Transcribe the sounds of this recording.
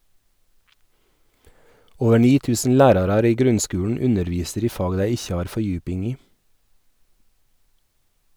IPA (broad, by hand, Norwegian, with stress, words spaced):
ˈoːʋə ˈɳiː ˈtʉːsn̩ ˈlæːɾɑɾɑɾ ˈiː ˈɡɾʉnˌskʉːɳ̩ ˈʉnəɾˌʋiːsəɾ ˈiː ˈfɑːɡ ˈdæɪ ˈɪçə ˈɑːɾ fɔˈjʉːpɪŋ ˈiː